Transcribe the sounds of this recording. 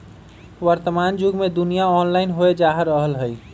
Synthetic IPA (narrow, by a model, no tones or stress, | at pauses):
wəɾt̪əmand͡ʒuɡmed̪unijaɔnlaɪnɦoed͡ʒaɦəɾːəɦəlɦəj